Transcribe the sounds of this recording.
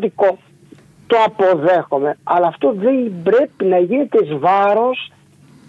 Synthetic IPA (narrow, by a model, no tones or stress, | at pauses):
t̪iko | t̪o̞ɐpo̞ðe̞xo̞me̞ɐlɐːft̪o̞ðebɾe̞pinɐʝinet̪ezvɐɾo̞s